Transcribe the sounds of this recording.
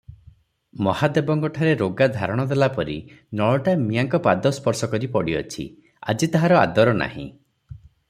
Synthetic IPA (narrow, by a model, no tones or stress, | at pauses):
mɔhad̪ebɔŋkɔʈʰaɾeɾoɡad̪ʱaɾɔɽ̃ɔd̪elapɔɾḭ | nɔɭɔʈamijaŋkɔpad̪ɔspɔɾsɔkɔɾipɔɽiɔ̰t͡ʃʰḭ | a̰d͡ʒit̪aɦaɾɔa̰d̪ɔɾɔna̰hḭ̃